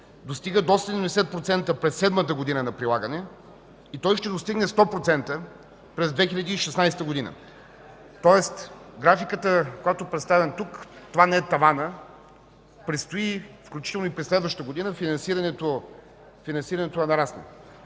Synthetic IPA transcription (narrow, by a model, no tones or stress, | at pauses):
d̪ost̪iɡəd̪ɔst̪əiimd̪ɛsɛt̪̚pɾot̪sɛnt̪əpɾɛsːɛd̪mət̪əɡod̪inənɐpɾilˠaɡənɛ | it̪ɔjʃt̪ɛd̪ost̪iɡnɛst̪ɔpɾot̪sɛnt̪ə | pɾɛzd̪vɛxilʎʲɐd̪iːʃɛsnajst̪əɡod̪inə̰ | t̪ɔɛst̪ɡɾafikət̪əkojat̪oɛpɾɛt̪st̪avɛnt̪ukt̪ovanɛɛt̪ɐvanə | pɾit̪st̪oifklʲut͡ʃit̪ɛlˠnoipɾɛslɛd̪vəʃt̪əɡod̪inəfinɐnsiɾɐnɛt̪o | finɐnsiɾɐnɛt̪oɛnɐɾasnɛ̰